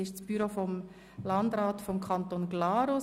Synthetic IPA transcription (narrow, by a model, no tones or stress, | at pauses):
ɪʃt͡sb̥yɾofɔm | lɑnd̪ɾaːtfɔmkʰɑnt̪oːnɡ̥lɑːɾʊ